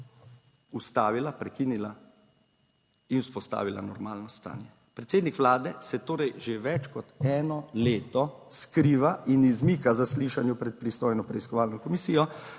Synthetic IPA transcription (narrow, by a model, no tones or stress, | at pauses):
ust̪aːʋilapɾɛkiːnila | inuspɔst̪a̰ːʋila̰nɔɾmaːlnɔst̪a̰ːnjɛ | pɾɛt̪seːd̪nikʋlaːd̪ɛsɛt̪oːɾɛjʒeʋɛt͡ʃkɔt̪ɛːnɔleːt̪ɔskɾiːʋaʔinizmiːkazasliʃanjupɾɛt̪̚pɾist̪oːjnɔpɾɛiskɔʋaːlnɔkɔmisiːjɔ